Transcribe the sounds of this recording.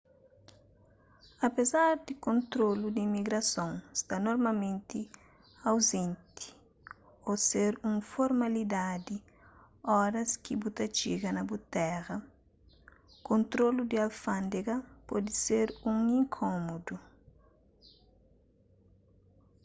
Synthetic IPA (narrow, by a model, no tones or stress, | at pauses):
ɐpezaɾd̪ikõnt̪ɾolud̪iːmiɡɾɐsõŋst̪anoɾmalmẽnt̪i | awzẽnt̪i̥ | oseɾũŋfoɾmalid̪ad̪i | ɔɾɐskibut̪ɐt͡ʃiɡɐnɐbut̪ɛɾɐ | kõnt̪ɾolud̪ialfãnd̪eɡɐpɔd̪iseɾũŋĩŋkʰomod̪u